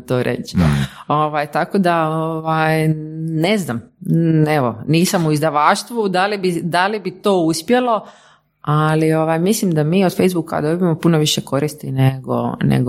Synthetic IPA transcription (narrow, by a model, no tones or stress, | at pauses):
t̪oːɾʔḛt͡ɕo̞ʋajt̪akod̪aoʋaːjne̞znam | e̞ʋo̰niːsamuizd̪aʋaːʃt̪ʋud̪alibid̪alibit̪oːuspje̞lo̞ | alio̞ʋaːjmislimd̪amiːod̪fejzbuka̰d̪o̞biemo̞punoʋiʃeko̞ɾist̪ineɡo̰nḛɡ